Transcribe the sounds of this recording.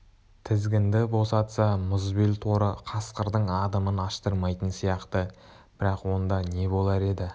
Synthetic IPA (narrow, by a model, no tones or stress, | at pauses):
t̪ʰɪzɡʲɪnd̪ɪbo̞sɑt̪sɑmʊzbilt̪ʰo̞ɾəqʰɑsqəɾd̪əɴɑd̪əmənɑʃt̪əɾmɑjt̪ənsijɑqt̪ə | b̥ɪɾɑqwo̞nd̪ɑne̞bo̞lˠɑɾe̞d̪ɪ